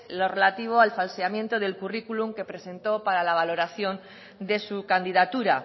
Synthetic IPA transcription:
lo̞re̞lat̪iβ̞o̞alfalseamjẽ̞nt̪o̞ð̞e̞lkurikuluŋke̞pɾe̞sẽ̞nt̪o̞paɾalaβ̞alo̞ɾaθjo̞n | d̪e̞sukand̪iðat̪uɾa

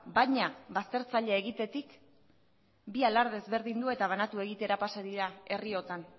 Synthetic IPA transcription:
bajɲaβast̪e̞ɾt͡saʎeeɣit̪e̞t̪ik | bialaɾðe̞zβe̞ɾðind̪ue̞t̪aβ̞anat̪ue̞ɣit̪e̞ɾapasaðiɾae̞rio̞t̪an

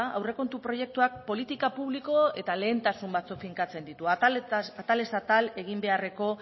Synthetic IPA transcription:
awre̞ko̞nt̪upɾo̞je̞k̚t̪uak̚po̞lit̪ikapuβliko̞e̞t̪ale̞ːnt̪asumbat͡sukfiŋkat͡se̞nd̪it̪uaat̪ale̞sat̪ale̞ɣ̞imbe̞are̞ko̞

